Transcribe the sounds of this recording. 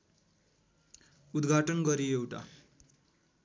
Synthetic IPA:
ud̪ɡʱaʈənɡʌɾiewʈa̰

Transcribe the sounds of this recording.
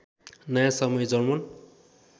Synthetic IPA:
nʌjãsʌmʌjed͡zʌnmʌn

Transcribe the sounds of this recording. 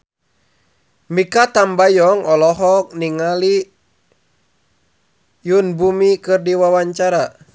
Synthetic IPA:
mikat̪ambajɔŋɔlɔɦɔk̚niŋali | junbumikɨrdiwawaɲt͡ʃaɾa

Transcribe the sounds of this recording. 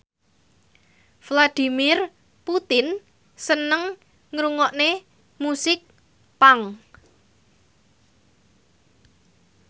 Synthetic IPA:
flad̪̥i̤mɪr | put̪ɪn | sənəŋ | ŋɾuŋɔʔne | musɪk̚ | paŋ

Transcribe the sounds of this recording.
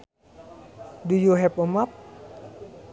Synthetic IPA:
dujoɦɛpɔmap̚

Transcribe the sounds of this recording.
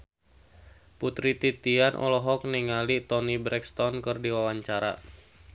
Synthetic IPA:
put̪ɾit̪it̪ianʔɔ̰lɔɦɔk̚niŋalit̪ɔnibɾɛkst̪ɔnkɨrdiwawaɲt͡ʃaɾa̰

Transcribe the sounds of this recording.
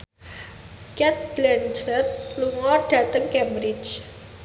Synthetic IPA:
kɛt̪̚b̥lɛnsɛt̪̚luŋɔrɖ̥ä̤t̪əŋkɛmbɾɪt͡ʃ

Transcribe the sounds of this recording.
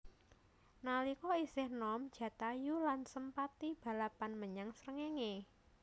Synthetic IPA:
nalikɔisɪhnɔmd̥ʒ̥ä̤t̪ajulansəmpat̪ib̥a̤lapanməɲaŋsɾəŋeŋe

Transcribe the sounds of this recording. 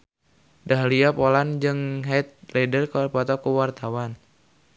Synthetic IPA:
daɦliapoland͡ʒɨŋɦɛt̪̚lɛdərkəpɔt̪ɔkuwart̪awan

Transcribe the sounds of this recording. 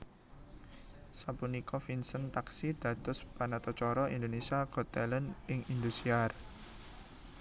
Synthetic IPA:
sapunikɔfinsənt̪aksid̪̥ä̤t̪ʊspanat̪ɔt͡ʃɔɾɔḭnd̪onesiaɡ̥ɔt̪ɛlənʔɪŋind̪usiar

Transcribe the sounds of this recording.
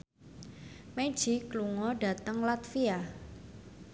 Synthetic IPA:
me̥ʒ̥ikluŋɔɖa̤t̪əŋlat̪fia

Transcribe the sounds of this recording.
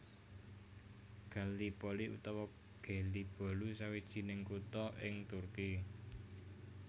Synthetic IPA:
ɡ̥a̤lipɔliʔṵt̪ɔwɔ | ɡ̥a̤lib̥ɔ̤lusawid̥ʒ̥i̤nɪŋkut̪ɔʔɪŋt̪urki

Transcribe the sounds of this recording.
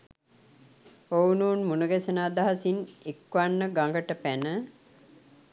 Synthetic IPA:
ownuːnmunuɡesənaːd̪aɦasinekʋanːəɡaŋɡəʈəpænə

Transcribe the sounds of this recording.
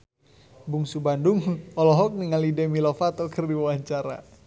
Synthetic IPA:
buŋsubanduŋɔlɔɦɔk̚niŋalidɛmilɔfat̪ɔkərdiwaɲt͡ʃaɾa̰

